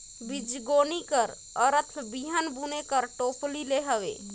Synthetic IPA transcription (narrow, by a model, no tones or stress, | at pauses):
bid͡ʒɡonikəɾ | əɾət̪ʰbiɦənbunekəɾʈoplileɦəbḛ